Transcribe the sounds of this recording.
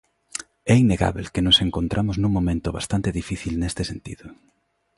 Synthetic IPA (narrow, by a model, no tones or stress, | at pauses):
ɛinːeɣa̰βelkenʊseŋkont̪ɾʔamʊznũŋmõmẽnt̪ʊβa̰st̪ant̪eðifiθilnest̪ɪsent̪ḭðʊ